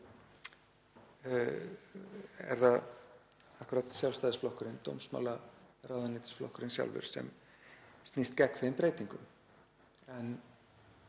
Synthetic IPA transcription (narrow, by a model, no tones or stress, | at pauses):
ɛ̰ɾθað | ahkʏɾaːt̪sjalvst̪ajðɪsflɔhkʏɾɪnt̪o̰wmsma̰larawðanɪːt̪ɪ̥sflɔ̰hkʏɾɪnsja̰lvʏ̰ɾ̥sɛ̰m | st̪nist̪cɛkθejɪmpɾeːjt̪iŋkʏm | ɛn